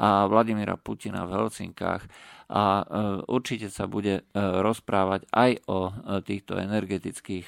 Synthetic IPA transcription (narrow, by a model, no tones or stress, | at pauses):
ʔaʋlaɟimiɾa̰pucina̰vɦɛlt͡sḭŋka̰ːxʔauɾt͡ʃicɛsabuɟɛɾɔspɾaːʋaɟajɔt̪iːxt̪ɔ̰ɛnɛɾɡɛt̪it͡skiːx